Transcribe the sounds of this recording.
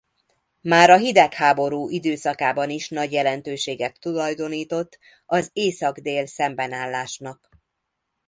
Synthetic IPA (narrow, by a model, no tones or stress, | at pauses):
maːɾɒɦid̪ɛkhaːbo̞ɾuːʔid̪øːsɒkaːbɒniʃnɒɟjɛlɛnt̪øːʃeːɡɛt̪ːulɒjd̪o̞niːt̪o̞t̪ː | ɒzeːsɒɡd̪eːlsɛmbɛnaːlːaːʃnɒk